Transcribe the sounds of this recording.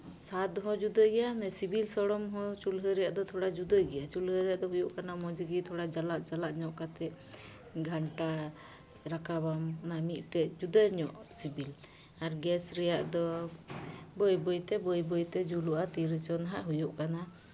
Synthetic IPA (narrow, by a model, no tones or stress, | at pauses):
sat̪ɦɔ̃d͡ʒud̪əjɡɛjamɛsibilsɔɽɔmɦɔt͡ʃulɦəɾɛjaʔd̪ɔt̪ʰɔɽad͡ʒud̪əjɡɛjat͡ʃulɦəɾɛjaʔd̪ɔɦujuʔkanamɔd͡ʒiɡit̪ʰɔɽad͡ʒalaʔ̪d͡ʒalaʔɲɔʔkat̪ɛʔ | ɡʱaɳʈa | ɾakabamnamiʔ̪̚ˀʈɛʔd͡ʒud̪əjɲɔʔsibil | aɾɡɛsɾɛjaʔd̪ɔ | bɔjbɔjt̪ɛbɔjbɔjt̪ɛd͡ʒuluʔat̪iɾit͡ʃɔnɦaʔɦujuʔkana